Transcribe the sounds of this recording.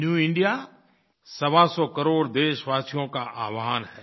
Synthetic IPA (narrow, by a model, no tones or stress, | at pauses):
njuːɪ̃ɳɖija | sɐʋasɔkəɾoːɽd̪eːʃʋaːsijõkaʔaːʋaɦanɦɛː